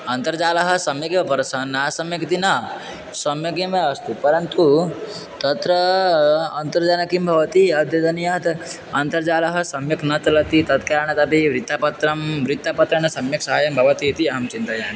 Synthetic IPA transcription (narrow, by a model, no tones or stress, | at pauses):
ɐnt̪ɐɾd͡ʒaːlɐɦɐ̆sɐmjɐkiʋɐpɐɾɐsanːaːsɐmjɐkt̪inɐ | sɐmjɐk̬emeɐst̪upɐɾɐnt̪u | t̪ɐt̪ɾɐ | ɐnt̪ɐɾd͡ʒanɐkimbʱɐʋɐt̪iɐd̪jɐd̪ɐnijat̪ | ɐnt̪ɐɾd͡ʒaːlɐɦɐsɐmjɐknɐt̪lɐt̪it̪ɐt̪kaɾaɳɐt̪ɐpiʋɾit̪ːapɐt̪ɾɐmʋɾit̪ːapɐt̪ɾɐnɐsɐmjɐksɐɦaːjɐmbʱɐʋɐt̪it̪iɐɦɐmt͡ʃint̪ɐjaːni